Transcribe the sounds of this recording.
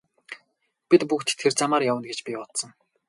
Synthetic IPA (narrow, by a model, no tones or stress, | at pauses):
pit̪pukt̪ʰːert͡samaːɾjawə̆nɡet͡ɕpʲiɔt̪sə̆ŋ